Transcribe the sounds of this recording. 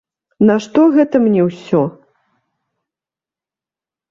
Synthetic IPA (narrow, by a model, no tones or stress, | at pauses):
nɐʂt̪ɔɣɛt̪ɐmnʲɛwsʲɔ